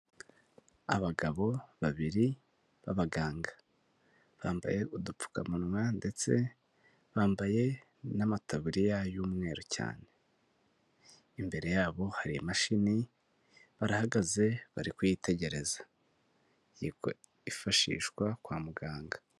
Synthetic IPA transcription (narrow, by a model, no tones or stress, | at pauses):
a̰βaɡaβo̞βaβiɾi | βaβaɡaːŋɡḁ | βaːmba̰je̞ʔudup͡fu̥ka̰munwande̞t͡se̞ | βaːmbaje̞ | namataβuɾijajuːmŋe̞ːɾoca̰ːne̞ | imbe̞ɾe̞jaːβo̞haɾiamaʃini | βaɾahaɡaze̞βa̰ɾikujitʰe̞ɟe̞ɾe̞za | jiko | ifaʃḭːʃkwakwaːmuɡaːŋɡa